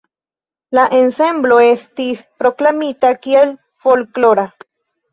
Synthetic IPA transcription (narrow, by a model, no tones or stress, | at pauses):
laʔensemblo̞e̞st̪ispɾo̞klamit̪akiel | fo̞lklo̞ɾa